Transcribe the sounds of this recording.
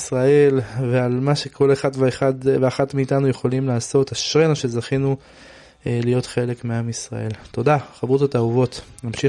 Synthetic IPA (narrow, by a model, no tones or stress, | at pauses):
sʁae̞lvealmaʃe̞kʰo̞le̞χad̪veeχad̪veaχatmiːt̪anujeχo̞limlaːso̞taʃʁenaʃe̞zaχinu | lijo̞tχe̞le̞kmeamisʁa̰e̞lt̪o̞daχabʁut̪at̪auvo̞t̪namʃi